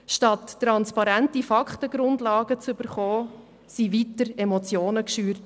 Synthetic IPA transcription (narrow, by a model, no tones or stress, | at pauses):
ʃtɑtːɾɑnspɑɾæntifɑkχtəɡ̥ɾʊndlɑːɡət͡syb̥əɾχɔː | siʋitəɾɛmɔt͡sjoːnəkʃyːɾt